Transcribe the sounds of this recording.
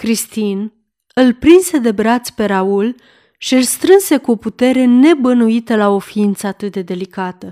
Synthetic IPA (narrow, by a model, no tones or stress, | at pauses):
kɾist̪in | ɨlpɾinse̞d̪e̞bɾat̪sʲpe̞ɾaul | ʃiɨlst̪ɾɨnse̞kuo̞put̪e̞ɾe̞ne̞bənuit̪əlao̞fiint̪səat̪ɨt̪̚d̪e̞d̪e̞likat̪ə